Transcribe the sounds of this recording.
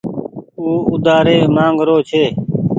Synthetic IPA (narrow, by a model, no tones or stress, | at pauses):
uːʊd̪aːɾeːmãːŋɡɾoːt͡ʃʰeː